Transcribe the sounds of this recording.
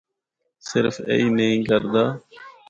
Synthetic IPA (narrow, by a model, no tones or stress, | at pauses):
sɪɾfḛiːneĩːkəɾd̪aː